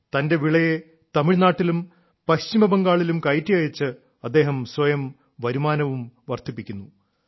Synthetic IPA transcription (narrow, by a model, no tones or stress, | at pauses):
t̪ɐnde̞ʋiɭɐje | t̪ɐmiɻnaːʈːilum | pɐɕt͡ɕimɐbɐŋɡaːɭilumkɐjtːijɐjit͡ɕːɨ | ɐd̪ːe̞ːɦɐmswɐjɐm | ʋɐɾumaːnɐʋumʋɐrt̪ipːikʲːunːu